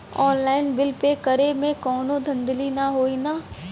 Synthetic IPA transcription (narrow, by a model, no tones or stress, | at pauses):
ɔːnlaːɪnbɪlpekɐɾemẽkɔːnõd̪ʱɐ̃nd̪linaɦoːinaː